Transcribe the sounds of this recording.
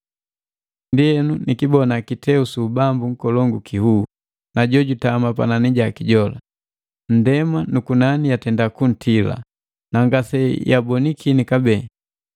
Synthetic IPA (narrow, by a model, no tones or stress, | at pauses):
ndijɛnunikibɔnakitʰɛusuːbambuŋ̩kɔlɔŋɡukʰihu | naɟɔɟutamapa̰naniɟakiɟɔla̰ | n̩dɛmanukunanijatɛndakun̩tʰila̰ | naŋɡasɛjabɔnikʰinikabɛ